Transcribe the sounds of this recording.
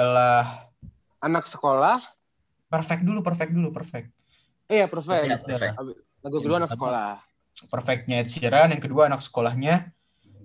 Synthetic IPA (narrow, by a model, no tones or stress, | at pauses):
alah | anaksə̥kolah | pərfɛk̚dulupərfɛk̚dulupərfɛk̚t̪̚ | ijapərfɛaəɾ | ɡkəduanaksə̥kola | pərfɛk̚t̪̚ɲat̪siaɾanjaŋkəduaːnaksə̥kolahɲa